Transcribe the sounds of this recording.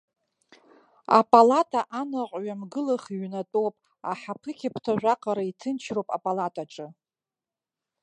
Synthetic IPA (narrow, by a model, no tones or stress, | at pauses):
a̰pʼalatʼaʔanaqʷʼɥamɡɨlaχiɥnatʼopʼ | a̰ħapʰɨkʲʰapʰtʰaʒᶣʷaqʼaɾaitʰɨnt͡ʃʰrowpʼapʼalatʼaʈ͡ʂʼɨ